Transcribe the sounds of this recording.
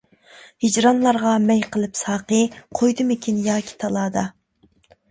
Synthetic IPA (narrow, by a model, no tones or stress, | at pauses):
hid͡ʒɾɑnlˠɑɾʁɑmɛjqəlˠɨpsɑːqəɨqʰojd̪ɨmɪkʲʰinjɑːkʲʰi̥t̪ʰɑlˠɑːd̪ɑ